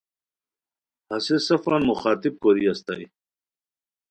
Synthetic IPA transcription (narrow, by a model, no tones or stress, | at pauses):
hɐsesɐfanmuxaːt̪ib̚koɾiast̪a̰j